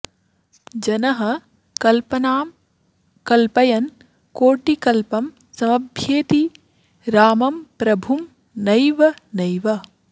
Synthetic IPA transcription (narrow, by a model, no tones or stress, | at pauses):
d͡ʒɐnɐɦɐ | kɐlpɐnaːm | kɐlpɐjɐn | koːʈikɐlpɐm | sɐmɐbʱjeːt̪i | ɾaːmɐmpɾɐbʱum | nɐjʋɐnɐjʋɐ